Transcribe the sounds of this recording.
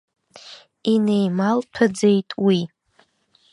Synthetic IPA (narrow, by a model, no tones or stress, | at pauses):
inejmalpʰad͡ze̞jtʼwi